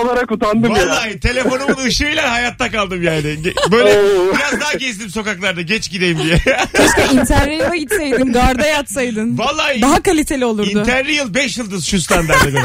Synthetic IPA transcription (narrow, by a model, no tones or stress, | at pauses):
olˠaɾakot̪and̪ɯvalˠːaːjt̪ʰe̞lʲe̞fo̞numunɯʃɯijlʲæhajat̪ʰːakalˠd̪ɯmjaːnɪɟɛbøjlʲɛbiɾazd̪aɦaɟezd̪imso̞kaklˠaɾd̪aɟɛt͡ʃɟid̪e̞jimd̪ijɛaʃk̪aʔint̪ʰæɾɾijaɟit̪sejd̪inɡaɾd̪ajat̪sajd̪ɯnvalˠːaːjd̪aɦakalʲit̪ʰe̞lʲio̞lˠuɾinʊt̪ʰæɾɾijɯlˠbɛʃjɯlˠd̪ɯzʃusland̪æɾd̪aɡ̪